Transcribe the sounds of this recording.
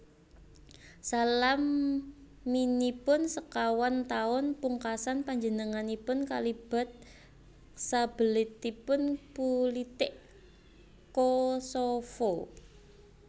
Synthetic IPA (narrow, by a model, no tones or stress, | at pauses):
salamː | inipʊnsəkawant̪aʊnpuŋkasanpaɲd͡ʒənəŋanipʊnkalib̥a̤t̪̚ | sab̥əlɪt̪ipʊnpulit̪ɪʔ | kosofɔ